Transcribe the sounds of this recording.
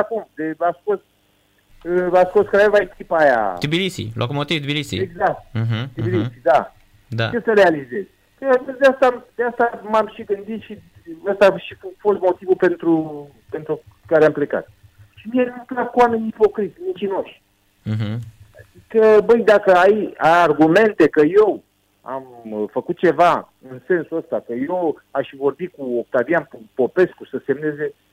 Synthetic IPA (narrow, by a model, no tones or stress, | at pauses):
akumd̪easko̞s | əasko̞skəɾaevaekʲipaja̰d̪ibilisḭlʔa̰kumot̪ivd̪ibilisḭeɡzak̚t̪̩̚ɦd̪ibilisid̪a | d̪a̰t͡ʃe̞səɾealize̞z̥ʲ | kəd̪east̪ad̪east̪amamʃiɡɨnd̪it̪ʃi | əst̪aʃiffo̞st̪mo̞t̪ivulpe̞nt̪ɾu | pe̞nt̪ɾu | kaɾeample̞ka̰t̪̚ | ʃimianumplat̪̚kuame̞ɲʲipo̞kɾit̪ʲmint͡ʃino̞ʃʲ | ɦ | kəbəjd̪akəajajarɡume̞nt̪e̞kəje̞w | a̰mfəkut̪̚t͡ʃe̞va | ɨnse̞nsuəst̪akəje̞w | aʃvo̞rbikuok̚t̪avijanupo̞pe̞skusəse̞mne̞ze̞